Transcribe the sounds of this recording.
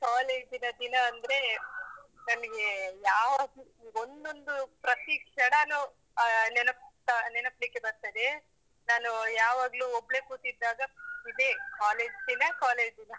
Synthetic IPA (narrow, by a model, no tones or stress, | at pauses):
kaːle̞ːd͡ʒd̪inɐd̪inɐːnd̪ɾe̞ | nɐmɐɡe̞jaːʋaːɡu | ond̪o̞nd̪upɾɐt̪ikʂɐɽɐnu | nɛnɐpɐnɛnɐplikːebɐɾt̪ɐd̪e | naːnujaːʋaːɡluɔbɭe̞kuːt̪id̪ːaːɡɐid̪e̞kaːle̞ːd͡ʒd̪inɐkaːleːd͡ʒd̪inɐ